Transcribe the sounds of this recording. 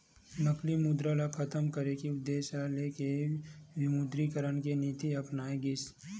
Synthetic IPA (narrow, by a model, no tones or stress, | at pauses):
nəklimʊd̪ɾalakʰət̪əmkəɾekiʊd̪ːeːʃaleːkeʋɪmʊd̪ɾikəɾənkeniːt̪iɐpnaːeɡɪs